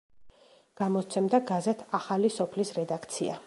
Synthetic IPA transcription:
ɡ̥amɔt̪sʰɛmd̪aɡazɛt̪ʰaχalisɔpʰlisɾɛd̪akʰt̪sʰia̰

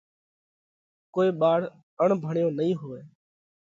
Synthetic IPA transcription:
koːiːɓaːɽ̤ | əɳbʱəɳjõːnəɦĩːɦoːeː

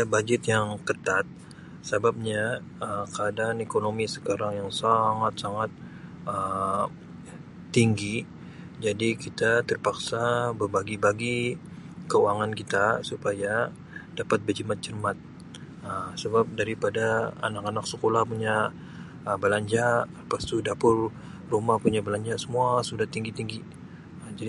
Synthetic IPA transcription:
abad͡ʒɪt̪jaŋkət̪at̪̚ | sabab̚ɲa | əkəadanekonomisə̥kaɾaŋjaŋsaŋat̪̚saŋat̪̚ | ə | iŋɡi | d͡ʒadikit̪at̪ərpaksabərbaɡibaɡi | kəuaŋankit̪asupaja | d̥apat̪̚bərd͡ʒimat̪̚t͡ʃərmat̪̚ | əsəbap̚daɾipadaa̰nakanaksəkolahpuɲa | əbəlaɲd͡ʒa | past̪udapʊl | rumahpuɲabəlaɲd͡ʒasəmuasudaht̪iŋɡit̪iŋɡi | d͡ʒadi

